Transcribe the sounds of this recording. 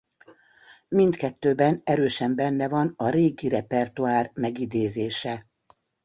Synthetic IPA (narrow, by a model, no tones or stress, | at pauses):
mind̪kɛt̪ːøːbɛnɛɾøːʃɛmbɛnːɛvɒnɒɾeːɡiɾɛpɛrt̪uaːrmɛɡid̪eːzeːʃɛ